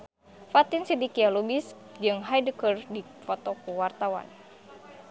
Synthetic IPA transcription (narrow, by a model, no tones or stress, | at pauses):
fat̪insidikialubis | d͡ʒɨŋɦajdəkərdi | fɔt̪ɔkuwart̪awa̰n